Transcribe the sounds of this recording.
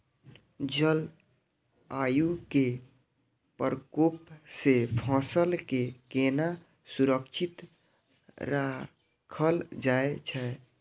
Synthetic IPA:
d͡ʒəl | ajuke | pəɾkopsepʰãːsəlkekena | suɾəkt͡ʃʰit̪ | ɾa | kʰəld͡ʒaet͡ʃʰɛ

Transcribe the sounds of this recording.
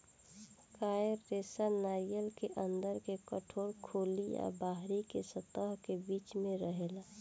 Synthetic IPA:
kaːɾːeːsanaːɾijəlkeʔə̃nd̪əɾkekəʈʰoːɾkʰoːlija̰baːɦɾikesət̪əɦkebiːt͡ʃmẽɾəɦela

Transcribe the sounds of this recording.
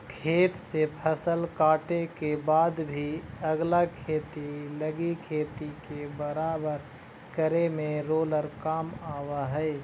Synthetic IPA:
kʰeːt̪sepʰəsəlkaːʈekebaːd̪bʱiəɡlakʰeːt̪iləɡikʰeːt̪ikebəɾaːbəɾ | kəɾemẽɾoːləɾkaːmaːʋaɦɛ

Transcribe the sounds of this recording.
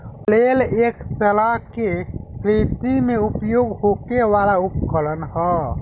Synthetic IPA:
leleksəlakekɾit̪imeupjoɡɦokeʋalaup̚kələnɦə

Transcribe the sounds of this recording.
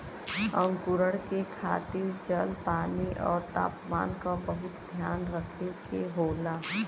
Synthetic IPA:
ə̰̃ŋkʊɾəɽkekʰaːt̪ɪɾd͡ʒəlpaːniʔɔ̰ːɾt̪a̰ːpma̰ːnkabəɦʊt̪̚d̪ʱjaːnɾəkʰekeɦoːlaː

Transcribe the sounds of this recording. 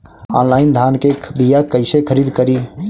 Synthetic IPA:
ɔ̰nlaind̪ʱankebijakəɪsekʰəɾid̪kəɾi

